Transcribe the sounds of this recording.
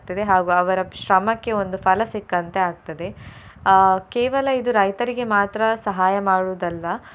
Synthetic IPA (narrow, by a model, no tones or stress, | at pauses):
t̪ɐd̪e̞ɦaːɡuːɐʋɐɾɐʃɾɐmɐkːe̞o̞nd̪ufʰɐlɐsikːɐnt̪eaːɡ̚t̪ɐd̪e̞ | keːʋɐlɐid̪uɾɐjt̪ɐɾiɡe̞maːt̪ɾɐsɐɦaːjɐmaːɽuːd̪ɐlːɐ